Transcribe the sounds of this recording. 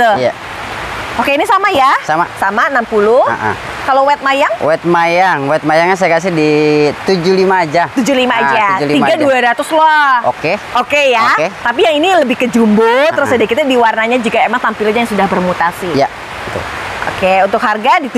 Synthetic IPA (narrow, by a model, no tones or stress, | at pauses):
əja | okeinisamajasama̰samaənampulʊha̰ʔa̰ | kalowɛt̪̚majaŋwɛt̪̚majaŋwɛt̪̚majaŋɲas̬ajakas̬ɪhdit̪ud͡ʒulimaːd͡ʒat̪ud͡ʒulimaːd͡ʒatd͡ʒuliimɡaduaɾat̪uslɔo̰keokejaket̪ap̬ijaŋiniləbɪhkəd͡ʒumbʊt̪əɾʊsadakit̪adiwarnaɲad͡ʒikaemaŋt̪ampilad͡ʒajaŋsudahbərmut̪asija̰ | t̪ṵ | ʔo̰keunt̪ʊkharɡadit̪